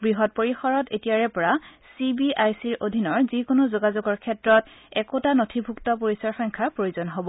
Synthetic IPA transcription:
bɹiɦɔt̚poɹixɔɹɔtḛtijaɹɛpɔɹa | sibiʔajsiɹʔodʱinɔɹzikonozoɡazoɡɔɹkʰɛtɹɔtɛkotanotʰibʱuktɔpoɹisɔɹxɔŋkʰapɹojozɔnɦobɔ

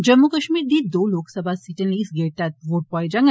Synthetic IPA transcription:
d͡ʒəmːukəʃmiːɾd̪iːd̪oloksəbʱasiʈənisɡeɾt̪at̪̚ʋoʈ̚pɔjd͡ʒaŋ

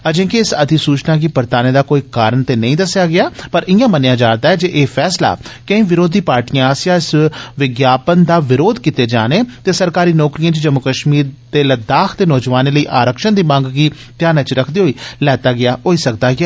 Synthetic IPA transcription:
əd͡ʒẽːkiɪsəd̪isuːt͡ʃnãːk̬ipəɾt̪aːneːd̪aːkoːiːkaːɾəɳt̪eːnəĩːd̪əsjaːɡɪaːpəɾɪjãːmənejãːd͡ʒaːnd̪aːɦɛːd͡ʒeːʔeːpʰɛːsla̰ːkə̃ĩːʋɪɾoːd̪iːpaːɾʈijãsjãːɪsʋɪɡjaːpənd̪aːʋɪɾoːd̪kit̪eːd͡ʒaːneːt̪eːsəɾkaːɾiːnɔːkɾijãːt͡ʃd͡ʒəmʊkəʃmiːɾd̪eːləd̪aːkʰt̪eːnɔːd͡ʒʋaːneːləiːʔaːɾəkʃənd̪iːmə̃ŋɡɡiː | t̪ɪjaːnət͡ʃɾəkʰd̪eːɦoːiːlɛːt̪aːɡɪaːɦoːiːsəkd̪aːɡɛː

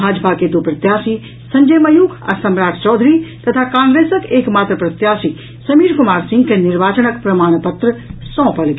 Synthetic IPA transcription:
aːd͡ʒəpʰaked̪opɾət̪jaːsi | sɐ̃ɲd͡ʒəjmɐjuːkʰə̰ɾsɐmɾaːʈʰt͡ʃɔːd̪ʱɾit̪ɐt̪ʰakãːŋɡɾeːsəkeːkmaːt̪ɾəpɾət̪jaːsi | sɐmiːɾkʊmaːɾsɪ̃ŋɡkenɪɾʋaːt͡ʃənək̚pɾɐmaːɽ̃pət̪ɾəsɔ̃ːpəlɡ

